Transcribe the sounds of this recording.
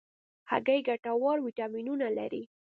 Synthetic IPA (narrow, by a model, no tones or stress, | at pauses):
ha̰ɡajɡaʈawɑɾwiʈɑminunala̰ɾḭ